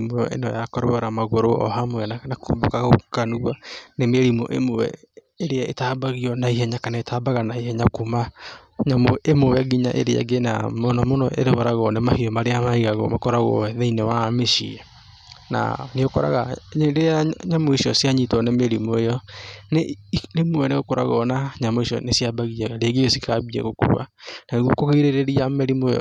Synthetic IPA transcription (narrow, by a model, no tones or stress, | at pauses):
mwɔʔḛnɔjakɔɾoɔɾamaɣoɾoʔɔ̰ɦamoɛnanako̰ːmbokaɣaokanuwanemeɾimo̰ʔemowɛ̰ | eɾeaetaːbaɣiɔnaihɛɲakanaetaːbaɣanaihɛɲakumaɲamoemowaɣiɲa̰ʔḛɾea̰ɡena̰monɔmonɔʔḛɾeɣɔɾaɣɔnemahiɔmaɾeamaiɣaɣɔ̰makɔɾaɣɔ̰ɛðeinewameʃḭɛ | na̰neokɔ̰ɾa̰ɣaɾeaɲamoiʃiɔsiaɲitɔnɛmeɾimwejɔnenemwɛneɣokoɾa̰ɣɔnaɲamoiʃiɔ̰nesiabaɣiaɣaɾeaɣiɔsikaβiɛ̰ɣokṵwa̰naɣokoɣeiɾeɾeɾiamɛɾimojɔ̰